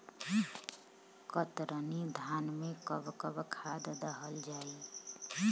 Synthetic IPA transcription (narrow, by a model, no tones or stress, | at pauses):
kət̪ɾənid̪ʱanmekəbkəbkʰad̪d̪əɦəld͡ʒai